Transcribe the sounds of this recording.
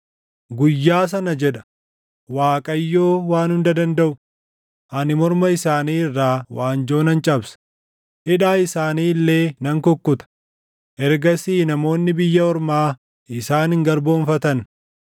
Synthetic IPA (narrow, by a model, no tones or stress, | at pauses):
ɡʊjːaːs̬ɐnɐd͡ʒɛᶑɐ̥ | waːkʼɐjːoːwaːnhʊnd̪ɐd̪ɐnd̪ɐʔʊ | ʔɐnɪmɔɾmɐɪsaːniːɪrːaːwaːnd͡ʒo̞ːnɐnt͡ʃʼɐbsɐ̥ | ʔɪᶑaːɪsaːniːlːe̞ːnɐŋkɔkːʊt̪ɐ̥ | ʔɛɾɡɐsiːnɐmo̞ːnːɪbɪjːɐɔɾmaː | ɪsaːnɪŋɡɐɾbo̞ːnfɐt̪ɐn